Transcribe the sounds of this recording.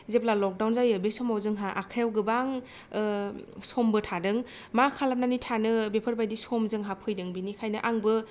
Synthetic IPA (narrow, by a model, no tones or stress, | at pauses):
zeplalɔk̚dawnzajɯbesɔmawzɯŋɦaʔakʰajawɡɯbaŋ | sɔmbɯtʰadɯŋ | makʰalap̚nanitʰanɯbepʰɯɾbajdisɔmzɯŋɦapʰɯjdɯŋbinikʰajnɯʔaŋbɯ